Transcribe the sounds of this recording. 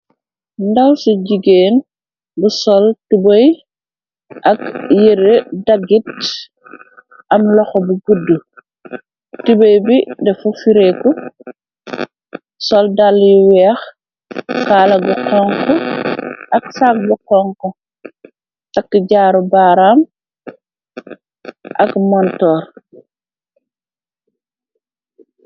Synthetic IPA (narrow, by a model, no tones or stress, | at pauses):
ndɐwsuɟiɡeːn | busɔltubɐj | ʔɐkjeɾedaɡit̚ | ʔɐmlɔxɔbuɡudːu | tubɐjbidɛfufiɾɛkɔ | sɔldaljuwɛːx | kaːlaɡuqɔŋkɔ | ʔɐksak̚ɡuqɔŋkɔ | takːɟaːɾubaːɾam | ʔakmantɔːɾ